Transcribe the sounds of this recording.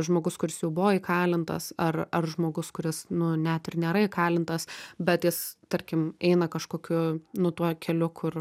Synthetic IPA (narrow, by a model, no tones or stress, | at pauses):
ʒmoːɡʊskʊɾʲɪsjɛʊbʊʋoːikʰɑːlʲɪnt̪ɐ̰sɐrɐrʒmoːɡʊskʊɾʲɪsnʊnʲɛt̪ɪrnʲeːɾɐikɑːlʲɪnt̪ɐsbʲɛt̪jɪst̪ɐɾʲkʲɪmɛɪnɐkɐʃkoːkʲʊnʊt̪uɔkʲʰɛlʲʊkʰʊr